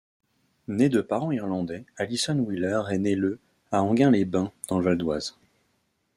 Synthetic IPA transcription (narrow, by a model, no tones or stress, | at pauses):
ned̪əpaʁɑ̃iʁlɑ̃d̪ɛalisɔnwilœʁɛnelə | aɑ̃ɡʲɛ̃lebɛ̃d̪̥ɑ̃ləvald̪waz